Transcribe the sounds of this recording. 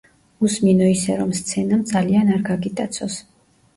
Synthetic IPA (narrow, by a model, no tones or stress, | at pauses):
usminɔisɛɾɔmst̪sʰɛnamd̪zalianaɾɡaɡit̪ʼat̪sʰɔs